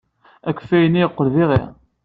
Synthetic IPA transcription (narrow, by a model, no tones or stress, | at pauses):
ækʷːfæjəniəqːəlðiʁɪ̰